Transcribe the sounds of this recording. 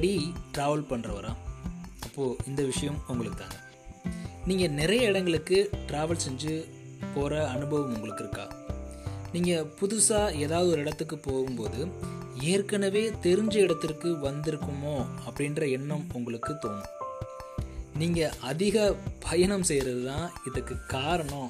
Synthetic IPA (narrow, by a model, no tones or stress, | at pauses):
ɽiʈɾaːʋɐlpɐɳːrɐʋɐɾã̰ːɐpːoːɪnd̪ɐʋɪʂɐjɐmʊŋɡɐɭɯkːɯt̪ːa̰ːŋɡɐ | niːŋɡɐnɪɾɐjɐɪɽɐŋɡɐɭɯkːɯʈɾaːʋɐlsɛɲd͡ʒɯ | poːɾɐːnɯbɐʋɐmʊŋɡɐɭɯkːɪɾɯkːa̰ː | niːŋɡɐpʊðʊsaːeːðaːʋɐðɯɔɾɯɪɽɐt̪ːɯkːɯpoːɣɯmpoːðɯeːrkɐnɐʋeːt̪ɛɾɯɲd͡ʒɐɪɽɐt̪ːɪrkːɯʋɐnd̪ɪɾɯkːɯmoːɐpːɐɽɪndrɐɛnːɐmʊŋɡɐɭɯkːɯt̪oːm | niːŋɡɐʔɐðɪɣɐpʰɐjɐɳɐmsɛjɾɐðɯt̪ãːɪðɐkːɯkaːɾɐɳõː